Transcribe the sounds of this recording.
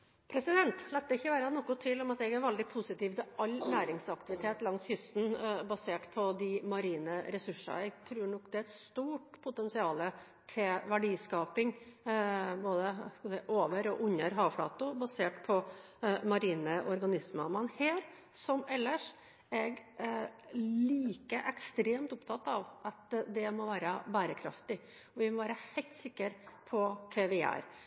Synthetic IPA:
pʰɾɛsɪd̪ɛnt̪lɛt̪̚d̪ɛɪçːəʋæːɾənɔkːʊt̪ʰɪlːɔmɑt̪ɛɡæɾʋɛld̪ɪpʰʊsɪt̪iːʋt̪ɪʔɑlːnæːɾɪŋsɑkt̪ɪʋɪt̪ʰeːt̪lɑŋshʏst̪n̩bɑseːʈpʰɔd̪ɪmɑɾiːnəɾɛsʉʂɑ̰ɛɡt̪ʰɾʉːɾɳɔkːd̪ɛæɾɛt̪st̪uːʈpʰʊt̪ɛnsɪɑːlə | t̪ʰɪʋæɖiːskɑːpɪŋ | boːd̪əskɑsɛɪʔoːʋəɾɔʔʉɲːəɾɦɑːfɽɑ̰ːt̪ʊbɑseːʈpʰɔ | mɑɾiːnəʔɔɾɡɑnɪsməmɛnheːɾ | sɔmɛlːəʂ | ɛɡ | liːkəʔɛkst̪ɾeːmt̪ʊpt̪ʰɑt̪ːɑʋʔɑt̪d̪ɛmɔʋæːɾəbæːɾəkʰɾɑ̰ft̪ɪ | ɔʋɪmɔʋæːɾəhɛɪlt̪sɪkːəɾpʰɔkʰɛʋɪæ̰ːɾ

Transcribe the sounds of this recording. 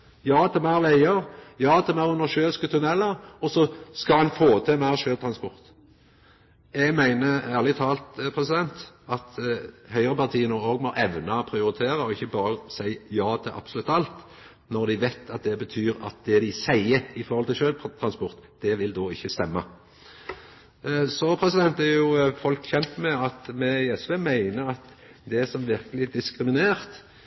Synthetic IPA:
jɑːt̪ʰɛmæɾʋæɪəʁjɑːt̪ʰɛmæʁʉnːəʃøːlskət̪ʰʉnɛlːəʁɔsɔskɑhɑnfoːt̪ʰɛmæʁʃøːlt̪ʰɾɑnspɔɾt̪ | ɛɡmæɪnəæːʁlɪt̪ʰɑːlt̪pʰʁɛsɪd̪ɛnt̪ɑt̪hœʏəʁəpɑʁt̪ʰiːənoːoːɡmɔʔɛʋnɑpʰɾɪʊɾɪt̪ʰeːʁəɔɪçːəbɑːɾəsæɪjɑːt̪ʰɪlʔɑ̰pbsɔlʉt̪ːɑlt̪ | nɔʁd̪ɪʋæɪt̪ʰɑt̪̚d̪ɛbət̪ʰyːɾɑ̰t̪̚d̪ɛd̪ɪsæɪəɪfɔɾʁhɔlt̪ɪlʃøːlpt̪ʰɾɑnspɔʁt̪d̪̥ɛʋɪld̪oːɪçːəst̪ɛmːə | sɔpʰɾɛsɪd̪ɛnt̪ɛʁjʊfɔlkçɛnt̪mɛɑt̪mɛɛsʋeːmæɪnəɾɑt̪ | d̪ɛsɔmʋɪʁkəlɪd̪ɪskɾɪmɪneːʁt̪

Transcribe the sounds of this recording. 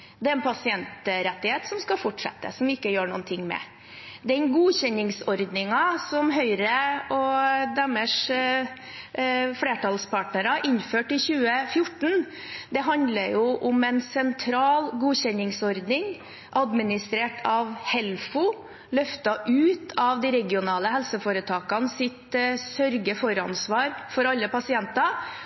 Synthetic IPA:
d̪ɛæɾɛnpʰɑsɪɛnt̪ɾɛt̪ːɪheːt̪sɔmskɑfɔʈʂɛ̰t̪ːə̰sɔmɪkːəjøːɳṵːnt̪ʰɪŋːmɛ̰ | d̪ɛnɡuːçɛnɪŋsɔɾd̪nɪŋɑsɔmɦœʏɾəɔd̪æməʂ | fleːʈʰɑlspʰɑːʈnəɾɑʔɪnføːʈɪçʉːəfjʊʈːɳ̩ | d̪ɛɦɑnd̪ləjʊʔʊmɛnsɛnt̪ʰɾɑːlɡuːçɛnːɪŋsɔɾd̪nɪŋ | ʔɑd̪mɪnɪst̪ɾeːʈʰɑʋhɛlfʊ | lœft̪ɑʔʉːt̪ʰɑʋd̪ɪɾɛɡɪʊnɑːləɦɛlsəfoːɾət̪ʰɑːkɑnsɪt̪sœɾɡəfɔɾɑ̰nsʋɑːɾfɔɾɑlːəpɑsɪɛnt̪ɑ

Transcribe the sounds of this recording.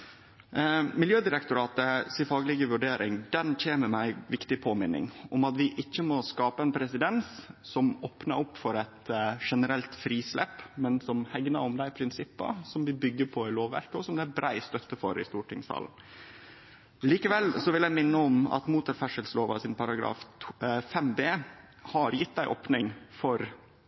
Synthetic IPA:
mɪljøːd̪ɪɾɛkt̪ʊɾɑːt̪əsɪfɑːɡlɪɡəʋʉɖeːɾɪŋd̪ɛnc͡çʰeːnəɾmæɪʋɪkt̪ɪpʰoːmɪnːɪ̰ŋɔmɑt̪ʋɪʔɪçːəmɔskɑːpəɛnpʰɾɛsɪd̪ɛnssɔmoːpnɑɾɔpːfɔɾɛt̪ʂɛnəɾɛlt̪fɾiːslɛ̰pːmɛnsɔmhɛɡnɑɾɔmd̪æɪpʰɾɪnsɪpːə̰sɔmʋɪbʏɡːəpʰɔɪloːʋːæ̰ɾkəɔsɔmd̪ɛæbɾʔæɪst̪œt̪ːəfɔɾɪ̰st̪uːʈʰɪŋsɑ̰ːln̩ | liːkəʋɛlːsɔʋɪlæɪmɪnːəɔmɑ̰t̪muːt̪əɾfæʂəlsloːʋɑ̰sɪnpʰɑɾɑɡɾɑ̰ːffɛmbeː | hɑɾjɪt̪̚ːd̪æɪʔoːpnɪŋfɔɾ

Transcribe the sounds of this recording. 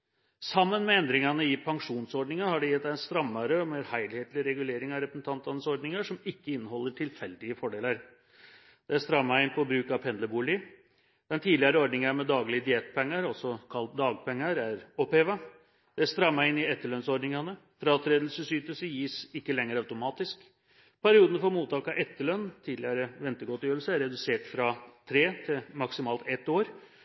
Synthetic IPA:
sɑmːənmɛɛnd̪ɾɪŋɑnəɪpʰɑŋʂuːnsɔɖɳɪŋɑhɑɖɛjɛt̪d̪æɛnst̪ɾɑmːɑɾəɔmeːɾhæɪlɪheːt̪lɪɾɛɡʉleːɾɪŋɑɾɛpɾəsn̩t̪ʰɑnt̪ɑnəsɔɾɖnɪŋɑʂɔmɪkːəɪnːəɦɔlːəʈʰɪlfɛld̪ɪəfɔɖeːləɾ | d̪̥ɛæst̪ɾɑmːɑɪnpʰɔbɾʉːkɑpʰɛnd̪əbuːlɪ | d̪̥ɛnt̪ʰiːd̪lɪɑɾəɔɾɖnɪŋɑɾmɛd̪ɑːɡlɪəd̪ɪeːt̪pʰɛŋːəɾɔsɔkʰɑlt̪̚d̪ɑːɡpʰɛŋːəɾæɾɔpheːʋɑ | d̪̥ɛæst̪ɾɑːmæɪɪnːɪɛt̪ːəɭœnsɔɖɳɪŋɑnə | fɾɑɑt̪ʰɾeːd̪l̩səsyːt̪əlsəjiːsɪkːəlɛŋːəɾœʉt̪ʊmɑːt̪ɪsk | pʰæɾɪuːd̪nəfɔɾmuːt̪ɑːkɑʔɛt̪ːəɭœnːt̪ʰiːd̪lɪɑɾəʋɛnt̪əɡɔt̪jøːɾəlsəæɾɛd̪ʉseːʈfɾɑt̪ʰɾeːt̪ʰɪlmɑksɪmɑːlt̪ɛt̪ːoːɾ

